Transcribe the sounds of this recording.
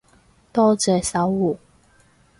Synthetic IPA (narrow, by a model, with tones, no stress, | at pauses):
t̪ɔː˥t͡sɛː˨˩sɐ˨˥wu˨˩